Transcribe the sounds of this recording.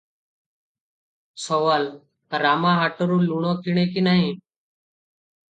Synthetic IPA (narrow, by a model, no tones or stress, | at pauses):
soːʋaːl | t̪əɾaːmãːɦaːʈəɾũːluːɳõːkiːɳẽːkiːnaːɦĩː